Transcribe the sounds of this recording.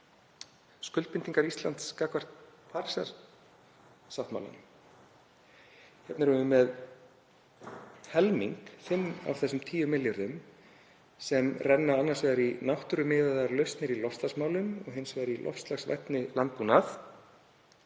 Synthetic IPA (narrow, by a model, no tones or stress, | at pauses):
skʏlt̪pɪnt̪iŋkaɾist̪la̰nt̪skaːkvar̥t̪̚pʰaɾsaɾ | sawht̪ma̰wla̰nm | hɛp̪naɾʏnʏmɛð | hɛlmiŋkθɪnːa̰vθɛsːʏmt̪ʰiːjʏmɪljʏɾðʏm | sɛmrɛnːaanːaɾ̥svɛːðaɾinawht̪ʏɾʏmɪːðaðaɾlœɥst̪nɪɾilɔfst̪lasmaːwlʏmɔ̰ɣɦɪnsvɛːɾilʔɔ̰fst̪laxsvɛ̰ht̪nɪlant̪̚punaθ